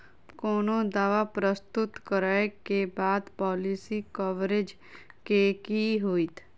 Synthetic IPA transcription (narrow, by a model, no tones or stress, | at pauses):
kɔːnõd̪aːʋapɾəst̪ʊt̪kəɾaekebaːd̪pɔːlisikɔʋɾed͡ʒ | kekiɦoːit̪ʰ